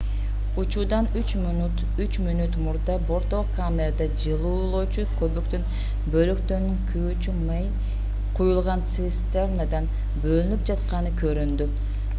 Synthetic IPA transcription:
ut͡ʃud̪ɑnyt͡ʃmnt̪ | yt͡ʃmynyt̪muɾd̪ɑbo̞ɾt̪okʰamʲeɾad̪ɑd͡ʒɯlˠuːlˠoːt͡ʃukʰøβyk̚t̪yn | bø̞lykt̪ønyŋkʰy | t͡ʃym | qʰujulˠʁɑnsist̪ernad̪ɑn | bø̞lynyp̚d͡ʒɑt̪qɑnɯkʰø̞ɾynd̪y

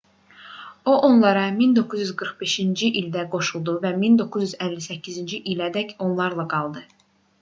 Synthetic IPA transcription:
oʔonlˠɑɾɑmind̪o̞kʰuzjyzɡɯɾχbe̞ʃind͡ʒiʔild̪æɡo̞ʃulˠd̪uvæmind̪o̞kʰuzjyzælːisæcʰːizind͡ʒiʔilæd̪æcʰo̞nlˠɑɾlˠɑɡɑlˠd̪ɯ

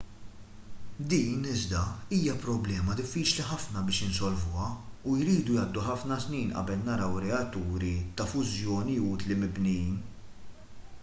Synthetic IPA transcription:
d̪iːnɪzd̪ɐiːjɐpɾɔblɛːmɐd̪ɪfːiːt͡ʃliħɐfnɐbɪːʃɪnsɔlvʊːɐujɾiːd̪ujɐːd̪ːuħɐfnɐsniːnʔɐ̰bɛlnɐɾɐwɾɛɐt̪ːuːɾit̪ɐfʊzjɔːniuːt̪limɪbnɛiːn

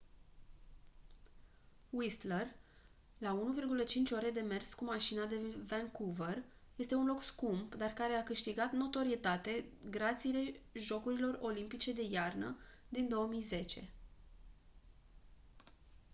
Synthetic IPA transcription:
wist̪ler | launuvirɡulət͡ʃint͡ʃʲoɾe̞d̪e̞me̞rskumaʃinad̪e̞vɛŋkuvər | je̞st̪e̞unlo̞kskumpd̪arkaɾe̞akɨʃt̪iɡat̪no̞t̪o̞ɾiet̪at̪e̞ɡɾat̪sile̞ʒo̞kuɾilo̞ro̞limpit͡ʃe̞d̪e̞jarnə̰d̪ind̪o̞omijze̞t͡ʃe̞̰

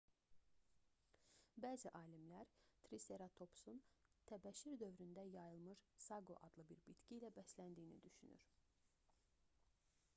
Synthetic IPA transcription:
bæːziʔɑːlimlæɾt̪ʰɾise̞ɾɑt̪ʰo̞psunt̪ʰæbæʃiɾd̪ø̞vɾynd̪æjɑjɯlˠmɯɾsɑɡo̰ʔɑd̪lˠɯbiɾbit̪ciːlæbæslænd̪ijːnḭd̪yʃyny̰ɾ

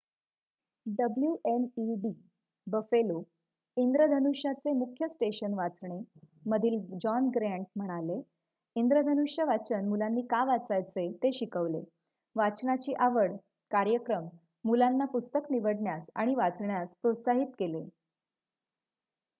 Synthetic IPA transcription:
ɖəbljuʔeniɖi | bəfelo | ind̪ɾəd̪ʱənuɕjat͡semukʰjəsʈeɕənʋat͡sɳe | məd̪ʱiːld͡ʑɔnɡɾæ̃ɳʈ̚m̤əɽ̃ale | ind̪ɾəd̪ʱənuʂjəʋat͡sənmulanːiːkaʋat͡sajt͡set̪eɕikəʋlḛ | ʋat͡snat͡ɕiːʔaʋəɽ | kaɾjəkɾəmː | ulanːapust̪əkniʋəɽɳjasa̰ɽ̃iʋat͡sɳjaspɾot̪saɦit̪kele

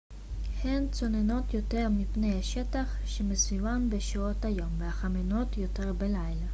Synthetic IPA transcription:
hent͡so̞neno̞t̪jo̞teʁmipnejhaʃetaχ | ʃemesvivanbeʃiot̪hajo̞mveaχameno̞tjo̞t̪eʁbelajla

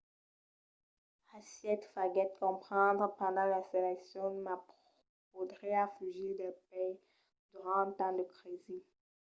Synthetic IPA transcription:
asjɛt̪faɡɛt̪̚kɔ̃pχɑ̃d̪ʁpɑ̃d̪ɑ̃laselɛksjɔ̃map | podʁeafyʒid̪ɛpɛ | d̪̥yʁɑ̃ə̃t̪ɑ̃d̪əkχed̪i

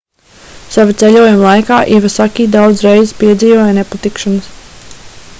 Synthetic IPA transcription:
savat̪sɛʎʲuɔjumlˠajkaːʔivasakʲiːd̪awd̪zɾɛjzspiɛd̪ziːvɔːjnepat̪ikʃanəs

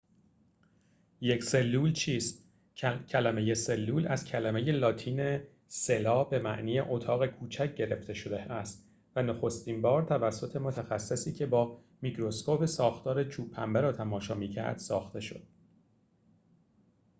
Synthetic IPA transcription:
je̞cʰse̞lːuːlt͡ʃʰiːst̪ | cʰælæme̞je̞se̞lːuːlæz̥cʰælæme̞je̞lɒːt̪ʰiːne̞ | se̞lɒːbe̞mæ̰ʔniːjḛʔot̪ʰɒːɣe̞kʰuːt͡ʃʰæc̚ʰɟe̞ɾe̞ft̪e̞ʃod̪eæst̪ | vænoxo̞st̪imbɒːɾt̪ʰævæsːo̞t̪ʰe̞mo̞t̪ʰæxæsːesiːcʲʰe̞bɒː | micʰɾo̞skopʰesɒːxt̪ɒːɾe̞t͡ʃʰuːpʰːæmbæɾɒːt̪ʰæmɒːʃɒːmiːcʰæ̰ɾd̪̥sɒːxt̪e̞ʃo̞̰d̪̥̚

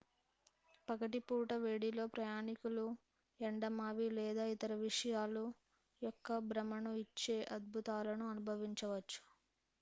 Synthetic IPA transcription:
pɐkɐʈipuːʈɐʋeːɽilo̞ːpɾɐjaːnikulu | eɳɖɐmaːʋilɛːd̪aːit̪ɐɾɐʋiʂɐjaːlu | jɔkːɐbɾɐmɐnuit͡ʃːe̞ːʔɐd̪̚bʱut̪aːlɐnuɐnubʱɐʋiɲt͡ʃɐʋɐt͡ʃːu̥

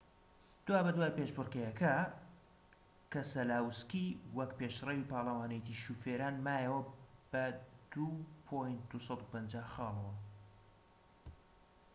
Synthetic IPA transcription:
d̪̥waːbɐd̪waːjpeːʃpɨrkɐjɐkʰɐ | kɐsɐlaːwskiwɐkpeʃrewiːpɑːlˠɐwaːnejt̪iʃufeːɾaːnmaːjɛwɐb̥ɐd̪̥upʰojnt̪̚d̪usɑd̪upɐnd͡ʒaːhxɑːlˠɐwɐ

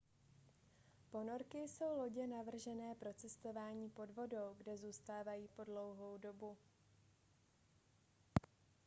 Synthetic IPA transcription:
po̞no̞ɾkɪso̞wlo̞ɟɛnavr̩ʒɛnɛːpɾo̞t͡sɛst̪o̞vaːɲiːpo̞dvo̞do̞wɡdɛzuːst̪aːvajiːpo̞dlo̞wɦo̞wdo̞bu

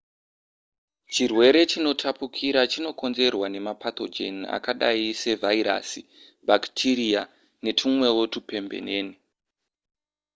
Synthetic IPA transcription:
t͡ʃirwe̞ɾe̞t͡ʃino̞tʰapukʰiɾat͡ʃino̞ko̞nze̞rwane̞mapat̪o̞d͡ʒe̞nia̰kaɗa̰ise̞vʱaiɾa̰si | bʱaktʰiɾia | ne̞tʰumwe̞wo̞tupe̞mbḛneːni

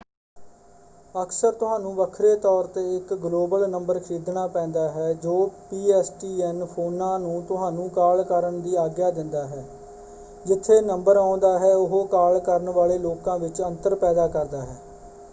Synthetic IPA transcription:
əkʰsəɾt̪ʊɦãːnũːʋəkʰɾeːt̪ɔːɾt̪eːɪkɡloːbəlnəmbəɾkʰɪɾiːd̪naːpɛ̃ːnd̪aːɦɛːd͡ʒoːpiːɛːsʈiːɛnpʰoːnãːnũːt̪ʊɦãːnũːkaːlkəɾəɳd̪iːaːɡjaːd̪ɪnd̪aːɦɛː | d͡ʒɪt̪ʰːeːnəmbəɾãːnd̪aːɦɛːʊɦoːkaːlkəɾəɳʋaːleːloːkãːʋɪt͡ʃənt̪əɾpɛːd̪aːkəɾd̪aːɦɛː

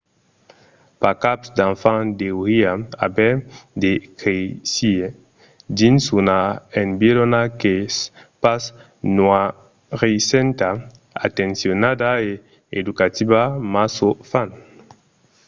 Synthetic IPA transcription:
pakapsd̪ãɱfãŋd̪euɾiaa̰bɛd̪ekesie | dinsunaenbilonakespas | nua | ɾesent̪a | a̰t̪ẽnsjonad̪ae | ed̪ukat̪iβamasofan

